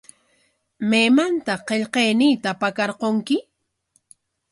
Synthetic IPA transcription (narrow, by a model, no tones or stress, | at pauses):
meːmant̪aqeʎqejnɪjt̪apakɑɾqoŋkɪ